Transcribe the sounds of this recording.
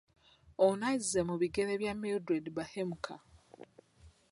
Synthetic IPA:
onaizemuβiɡe̞ɾeβjameldɾedbahemukʰa

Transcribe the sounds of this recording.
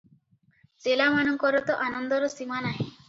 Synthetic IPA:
selamanɔŋkɔɾɔt̪ɔʔanɔnd̪ɔɾɔsimanaɦĩ

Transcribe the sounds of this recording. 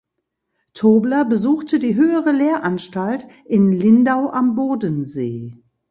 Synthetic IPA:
tʰoːblɐbəzuːxtədiːɦøːəʁəleːɐʔanʃtaltʔɪnlɪndaʊʔamboːdənzḛː

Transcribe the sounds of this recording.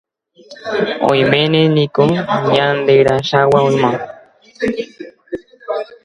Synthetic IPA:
õ̰ĩmẽnẽnĩkoɲãnd̪eɾaʃawaõĩmã

